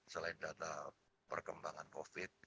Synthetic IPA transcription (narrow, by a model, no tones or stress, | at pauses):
səlaɪndat̪a | pə̰rkəmbaŋankofɪt̪̚